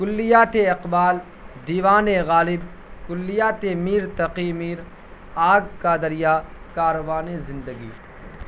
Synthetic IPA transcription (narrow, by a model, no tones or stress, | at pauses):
kʊlːɪjaːt̪eɐqbaːl | d̪iːʋaːneɣaːlɪb | kʊlːijaːt̪emiːɾt̪ɐqimiːɾ | aːɡkaːd̪əɾijaːkaːɾoʋaːnezɪ̃nd̪əɡiː